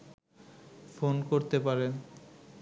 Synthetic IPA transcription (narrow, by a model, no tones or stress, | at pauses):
fonkoɾt̪epaɾe